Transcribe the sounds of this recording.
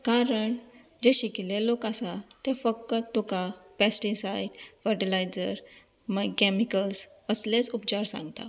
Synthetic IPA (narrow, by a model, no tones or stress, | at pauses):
kaɾəɳ | d͡ʑeɕikilelokasat̪efək̚t̪ət̪ukapɛsʈisajʈfəɾʈilajd͡zəɾ | məɡkɛmikəlsəslet͡sup̚t͡ɕaɾsã̰ŋɡt̪a̰